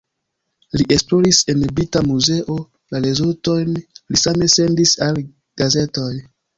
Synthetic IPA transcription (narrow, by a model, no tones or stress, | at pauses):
liʔe̞splo̞ɾise̞nbitamuze̞ʔo̞ | laɾe̞zulto̞jnlisame̞se̞ndisal | ɡ̥aze̞to̞j